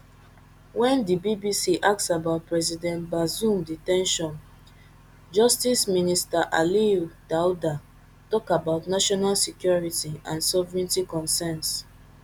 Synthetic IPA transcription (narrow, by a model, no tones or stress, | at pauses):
wɛ̃ndibibisiʔak̚tsabaʊt̚pɹɛzidɛ̃ntbazũmditɛ̃nʃɔ̃n | d͡ʒɔstisministaʔaliud̥awda | tɔkabaʊtnaʃɔnalsikjɔɹitiãnsɔvɹĩntikɔ̃nsɛns